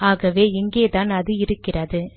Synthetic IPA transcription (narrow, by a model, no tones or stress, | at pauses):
aːɣɐʋeːɪŋɡeːt̪aːnɐðɯɪɾɯkːɪrɐðɯ